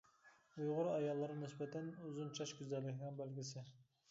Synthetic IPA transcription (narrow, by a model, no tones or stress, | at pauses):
ujʁʊɾɑjɑlˠːɨɾnɪsbɛt̪ʰɛnuzunt͡ʃʰɑʃɡʲyzɛlːɪkʲʰiɡɛŋbælɡʲɪsɪ